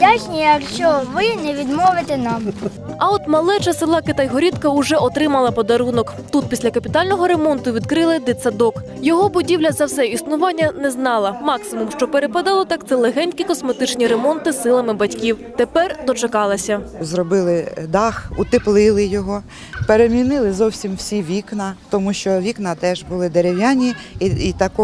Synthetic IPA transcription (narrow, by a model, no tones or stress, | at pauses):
dʲat͡ʃʲnʲijɐkʃt͡ʃɔʋɪnɛʋʲid̪mɔʋɪt̪ɛnɑm | ɐɔt̪mɐlˠɛt͡ʃɐsɪlˠɑkɪt̪ɐjɦɔɾʲit̪kɐʊʒɛɔt̪ɾɪmɐlˠɐpɔd̪ɐɾunɔkt̪ut̪̚pʲisʲlʲɐkɐpʲit̪ɑlʲnɔɦɔɾe̞mɔnt̪ʊʋʲid̪kɾɪlˠɪd̪ɪt̪sɐd̪ɔk | jɔɦɔbʊdʲiwlʲɐzɐwsɛisnʊʋɑnʲːɐnɛznɑlˠɐmɑksɪmumʃt͡ʃɔpeɾepɐd̪ɑlˠɔt̪ɑkt̪sɛlˠeɦɛnʲtʲkʲikɔsmet̪ɪt͡ʃnʲiɾemɔnt̪ɪsːɪlˠɐmɪbɐtʲkʲiwt̪epɛrd̪ɔt͡ʃɐkɑlˠɐsʲɐzrɔbɪlˠɪd̪ɑxut̪ɪplˠɪlˠɪjɔɦɔ | peɾemʲinɪlˠɪzɔwsʲimwsʲiʋʲiknɐt̪ɔmuʃt͡ʃɔʋʲiknɐt̪ɛʒbʊlˠɪd̪eɾʲewjanʲiit̪ɐkɔ